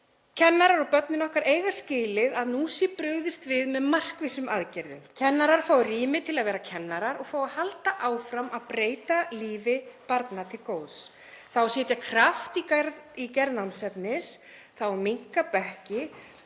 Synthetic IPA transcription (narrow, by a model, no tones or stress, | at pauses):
cʰɛnːaɾaɾɔɣpœt̪̚nɪnɔhkaɾeːjɣascɪːlɪðaðnusipɾʏɣðɪst̪vɪðmɛðmar̥kvɪsʏmʔaðcɛɾðʏ̰mcʰɛnːaɾaɾ̥faːwriːmɪt̪ʰɪlaðvɛːɾacʰɛnːaɾaɾɔɣfaːwahalt̪aʔaːwfɾamaðpɾeːjt̪aliːvɪpaɾt̪nat̪ʰɪlkoːwðs | θawsɛːt̪jakʰɾaft̪iɾicɛɾðnansɛpnɪs | θawmiŋkapɛhcɪ